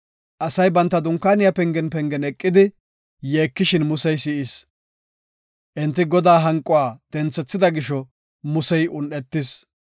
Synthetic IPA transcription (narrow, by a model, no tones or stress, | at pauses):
ʔɐsɐjbɐnt̪ːɐd̪ʊŋkːaːnɪjapɛŋɡɛnpɛŋɡɛnɛkʼːɪd̪ɪ | jeːkːɪʃɪnmʊsɛjsɪʔɪs | ʔɛnt̪ːɪɡɔd̪aːɦɐŋkʼʊwaːd̪̥ɛnt͡sːɛt͡sːɪd̪ɐɡɪʃɔ | mʊsɛjʔʊnːɛt̪ːɪs